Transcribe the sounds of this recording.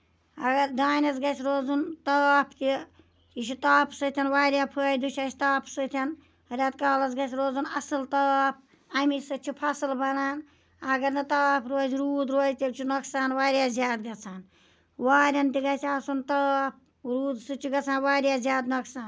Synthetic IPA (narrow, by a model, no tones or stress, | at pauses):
ɐɡɐɾd̪aːnʲɐsɡɐt͡ʃʲʰɾoːzunt̪ɐːpʰt̪i | t͡ʃit͡ʃʰit̪aːpʰsɨt̪ʲʰɐnʋaːɾʲjaːpʰəːjd̪ut͡ʃʰɐt͡ʃʰʲi̥t̪aːpʰsɨt̪ʰʲɐn | ɐɾʲaːt̪kaːlɐsɡɐt͡ʃʰʲɾoːzunɐsɨlt̪ɐːpʰ | ɐmisɨt͡ʃʰipʰɐsɨlbɐnaːn | ɐɡɐɾnɨt̪aːpʰɾoːzɾuːd̪ɾoːzʲt̪ʲibʲt͡ʃʰinɐksaːnwaːɾʲjaːzʲjaːd̪ɡɐt͡sʰaːn | waːɾʲɐnt̪iɡɐt͡sʰʲaːsunt̪ɐːp̚ʰ | ɾuːd̪sɨt͡ʃʰiɡɐt͡sʰaːnwaːɾʲjaːzʲjaːd̪nɐksaːn